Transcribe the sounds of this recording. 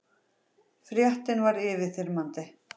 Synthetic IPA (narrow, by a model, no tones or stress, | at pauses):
fɾjœht̪ɪnvaɾɪːvɪθɪɾmant̪ɪ